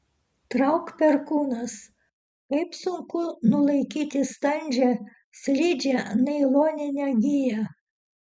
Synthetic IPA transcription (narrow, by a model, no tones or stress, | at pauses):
t̪ɾɐʊkpʲɛɾkuːnɐs | kɐɪpsʊŋkʊnʊlˠɐɪkʲiːt̪ʲɪst̪ɐnʲd͡ʒʲɛ | sʲlʲiːd͡ʒʲɛnɐɪlˠoːnʲɪnʲɛɡʲɪjæ